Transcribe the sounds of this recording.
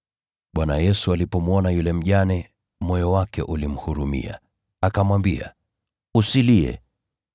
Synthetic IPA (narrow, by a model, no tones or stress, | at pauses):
ɓwanajɛsualipɔmuɔnajulɛm̩ʄanɛ | mɔjɔwakɛ̰ʔulim̩huɾumḭa̰ | akamwambia̰ | usiliɛ̰